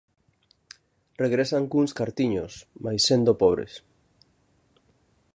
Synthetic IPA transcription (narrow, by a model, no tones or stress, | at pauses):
reɣɾesaŋkuŋskaɾt̪iɲosmajsːend̪opɔβ̞ɾḛs